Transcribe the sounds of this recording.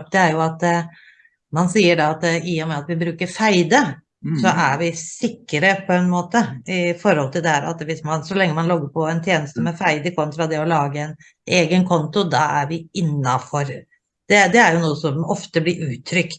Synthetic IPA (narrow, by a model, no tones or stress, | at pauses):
pd̪̥ɛæɾjʊɑt̪ | mɑnsiːəɖɑɑt̪ɪjʊmɛɑt̪ʋɪbɾʉːkəɾfæɪd̪ə | sɔʔæɾʋɪsɪkːəɾəpʰɔɛnmoːt̪əɪfɔɾhɔlt̪ʰɪld̪ɛhæːɾɑ̰t̪ʋɪsmɑnsɔlɛŋːəmɑnlɔɡːəɾpʰɔɛnt̪ʰjeːnəst̪əmɛfæɪd̪əkʰɔmt̪ɾɑd̪ɛɔlɑːɡəɛn | eːɡənkʰɔnt̪ʊd̪ɑæɾʋɪɪnːɑfɔɾ | d̪̥ɛd̪ɛæɾjʊnuːəsɔmɔft̪əblɪɾʉːt̪ʰɾʏkt̪